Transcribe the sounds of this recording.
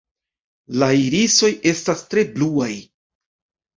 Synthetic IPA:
laiɾiso̞je̞stastɾe̞bluaj

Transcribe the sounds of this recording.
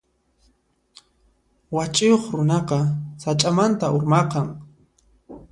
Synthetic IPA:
wat͡ʃʼʊjoχɾʊnɑqɑsat͡ʃʼamant̪aʔʊɾmɑqɑŋ

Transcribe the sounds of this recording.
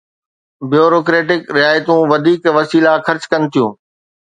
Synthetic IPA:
bjoːɾoːk̬ɾeːʈɪkɾɪaːjt̪ũʋɐd̪ʱiːkʋɐsiːlaxɐɾt͡ɕkɐnɪ̆t̪ʰijũː

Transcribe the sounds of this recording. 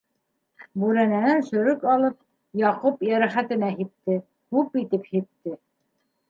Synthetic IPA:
bʉɾænænænʃɵ̆ɾɵkɑlˠɤp̚ | jɑqupjæɾæχæt̪ɘ̆næɦit̪ːɘ | hʉpit̪ɘphit̪ːɘ

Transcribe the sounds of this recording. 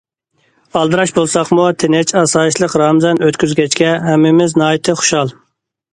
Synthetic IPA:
ɑlˠd̪ɨɾɑʃbolˠsɑqmut̪ʰɪnɪt͡ʃɑsɑːiʃlˠəqɾɑːmzɛnøt̪kʲyzɡʲɛt͡ʃkʲɛɦɛmːɪmɪznɑːjit̪ʰɨχʊ̥ʃɑlˠ

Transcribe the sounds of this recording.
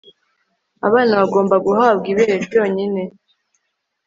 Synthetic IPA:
a̰βaːnaβaɡo̞ːmbaɡuɦab̚ɡiβeːhevjo̞ːɲine̞

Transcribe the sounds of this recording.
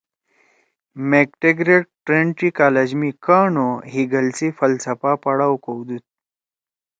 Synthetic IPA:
mek̚ʈeɡɾeʈ̚ʈɾeɳʈɾiːkaled͡ʑmikaɳoɦiɡəlt͡siːfəlt͡sʰəpapəɽawkowd̪ut̪̚

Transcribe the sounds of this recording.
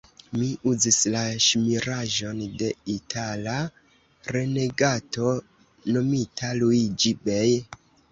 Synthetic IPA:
miʔuzislaʃmiɾaʒo̞nde̞itʰala | ɾe̞ne̞ɡato̞ | no̞mitʰalujd͡ʒibej

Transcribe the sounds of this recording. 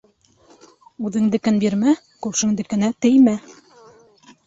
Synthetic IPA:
ʉðɘ̆ŋd̪ɘ̆kɘnbiɾmæ | kʉpʃɘ̆ŋd̪ɘ̆kɘ̆næt̪ɘ̆jmæ

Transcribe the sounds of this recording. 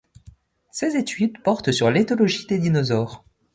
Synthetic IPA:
sezet̪ʰyd̪pɔʁt̪syʁlet̪ɔlɔʒid̪ed̪inɔzɔːʁ

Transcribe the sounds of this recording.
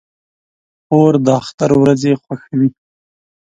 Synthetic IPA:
oɾd̪əaxt̪aɾwɾazexwaxawi

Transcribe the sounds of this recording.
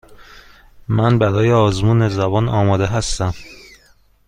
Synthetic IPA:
mænbæɾɒːjeɒːzmuːne̞zæbɒːnɒːmɒːd̪eɦæst̪æm

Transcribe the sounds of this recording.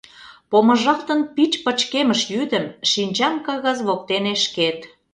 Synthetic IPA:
pomə̆ʒɑkt̪ə̆npit͡ɕpə̆t͡ɕkeməʃjyd̪əmʃinʲt͡ɕɑmkɑɣɑzβok̚t̪eneʃket̪

